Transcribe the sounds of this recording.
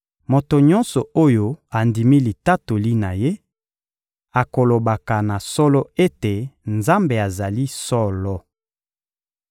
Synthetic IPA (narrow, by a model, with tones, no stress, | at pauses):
mo˨to˨ɲɔ˦nsɔ˨o˦jo˦a˨ndi˨mi˦li˨ta˦to˨li˦na˨je˦ | a˨ko˨lo˨ba˨ka˨na˨sɔ˦lɔ˦e˦te˨nza˦mbe˨a˨za˨li˦sɔ˦lɔ˦